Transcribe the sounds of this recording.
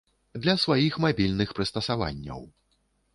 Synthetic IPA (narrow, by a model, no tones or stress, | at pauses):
d̪lʲɐsvajixmabʲilʲnɨxpɾɨst̪ɐsava̰nʲːɐ̰w